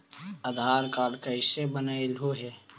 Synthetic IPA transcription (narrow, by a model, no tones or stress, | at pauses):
əd̪ʱaːɾkaːɾɖkaɪsebənaːɪlɦoɦɛː